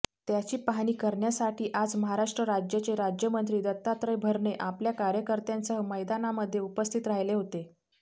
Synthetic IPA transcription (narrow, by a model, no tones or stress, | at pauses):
t̪jat͡ɕiːpaɦɽ̃iːkəɾɳjasaʈiːʔad͡zməɦaɾaʂʈɾəɾad͡ʑjət͡ɕeɾad͡ʑjəmənt̪ɾiːd̪ət̪ːat̪ɾəjbʱəɾɳeʔapljakaɾjəkəɾt̪jansəɦəməjd̪anaməd̪ʱːjeupəst̪ʰit̪ɾaɦjleɦot̪e